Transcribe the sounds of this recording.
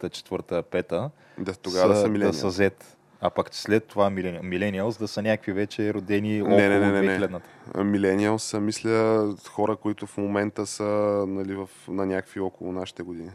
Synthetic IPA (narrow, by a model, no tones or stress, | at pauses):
t̪ət͡ʃɛ̥t̪vɤɾt̪əpɛt̪ə | d̪at̪oɡavəd̪ssɐmilɛɐisəzɛt̪ | apakslɛt̪ːovamilɛnmilɛniəlˠsd̪ɐsənʲakəkvivɛt͡ʃɛɾod̪ɛniɔɛnnɛiɛɡlɛd̪nət̪ə̥̰milɛniəlˠsəmislʲəxɔɾəkoit̪ʊfmomɛnt̪əsənɐlivɐfnɐnʲakəviɔkolˠonaʃi̥t̪ɛɡʊd̪ini